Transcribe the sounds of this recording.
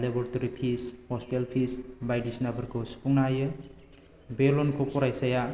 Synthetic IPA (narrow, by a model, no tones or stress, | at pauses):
lebɔɾtaɾipʰishɔstelpʰisbajdisnabɐɾkʰospuŋnajɯ | belonkʰopɔɾajsaja